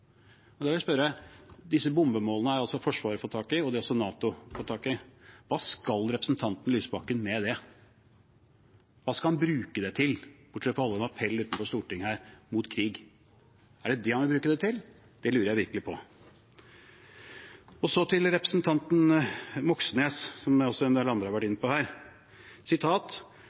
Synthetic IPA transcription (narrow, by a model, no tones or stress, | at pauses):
ɔd̪ɑʋɪlæspœɾəd̪ɪsːəbʊmbəmoːlənəæɾɑlsɔfɔʂʋɑːɾəfoːt̪ʰɑːkɪɔd̪ɛɔsɔnɑːt̪ʊfoːt̪ʰɑːkɪʋɑːskɑlɾɛpɾəsn̩t̪ʰɑnt̪n̩lyːsəbɑkənmɛd̪ɛ | ʋɑːskɑlhɑnbɾʉːkəd̪ɛt̪ʰɪlb̥ʊʈʂɛt̪fɔɾɑlːəmɑpʰɛlːʉːt̪n̩fɔʂt̪uːʈɪŋːhæːɾmʊt̪kʰɾiːɡ | æɖɛd̪ɛhɑnʋɪbɾʉːkəd̪ɛt̪ʰɪl | d̪̥ɛlʉːɾəjæɪʋɪɾkəlɪpʰɔ | ɔsɔt̪ʰɪlɾɛpɾə̥snt̪ʰɑnt̪nmɔksəneːssɔmæɔsɔɛnd̪lːəɑnd̪ɾəhɑɾʋæʈːɪnːəpɔhæːɾ | sɪt̪ʰɑːt̪